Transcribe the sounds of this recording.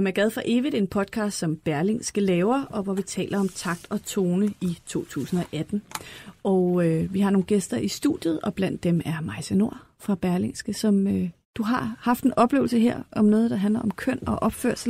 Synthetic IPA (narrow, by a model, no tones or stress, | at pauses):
emæɐɡ̥ɛð̞ˠfʁɑ̈ʔe̝ːʋid̥e̝npʰɒ̽d̥̚kʰɑ̈ːsd̥sɒ̽mb̥æɐle̝ŋsɡ̥əlɛːʊɐɒ̽ʋɒʋit͡sʰɛ̰ːlʔɐɒ̽mt͡sʰɑ̈ɡ̥̚d̥ɒ̽t͡sʰo̝ːnəit͡sʰo̝̰ːt͡sʰṵːsn̩ɒ̽ʔæd̥n̩ʔɒøʋiɦɑ̈no̝ːn̩ɡ̥esd̥ɐʔisd̥ṵd̥ˠjð̩ˠɒ̽b̥læn̰d̥ːemæɐmɑ̈ɪsəno̝ɐ̰ | fʁɑ̈b̥æɐle̝ŋsɡ̥əsɒ̽mø | d̥uɦɑ̈hɑ̈fd̥e̝nʔɒ̽b̥le̝ːʊlsəɦeɐ̰ʔɒ̽mnɔ̽ːð̞ˠd̥ɑ̈ɦændlɐɒ̽mkʰœn̰ɒ̽ʔɒ̽b̥fø̰ɐ̰sl̩